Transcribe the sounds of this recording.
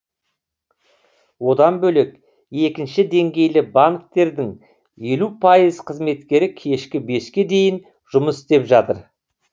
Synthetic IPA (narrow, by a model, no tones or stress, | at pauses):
wo̞d̪ɑnbɵle̞k | e̞kʲɪnʃɪd̪e̞ŋɡʲe̞jlɪbaŋk̚t̪e̞ɾd̪ɪŋ | je̞lupʰɑjəzqʰəzme̞t̪kʲe̞ɾɪkʲʰe̞ʃkʲɪbe̞skʲe̞d̪e̞jɪn | ʒʊməsɪ̥st̪e̞pʒɑt̪əɾ